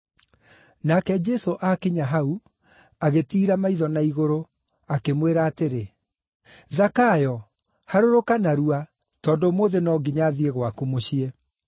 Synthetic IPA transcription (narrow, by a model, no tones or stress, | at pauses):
nakɛd͡ʒɛsoʔakeɲaɦau | aɣetiːɾamaiðɔnaiɣoɾo | akemweɾaːteɾe | zakajɔ | haɾoɾokanaɾua | tɔːndomoːðenɔːɡiɲaðieɣwakumoɕiɛ